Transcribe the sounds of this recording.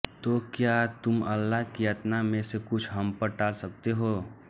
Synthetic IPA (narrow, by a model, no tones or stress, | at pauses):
t̪okjat̪ʊmɐlːaɦkijət̪namẽsekʊt͡ʃʰɦɐmpəɾʈaːlsək̚t̪eɦoː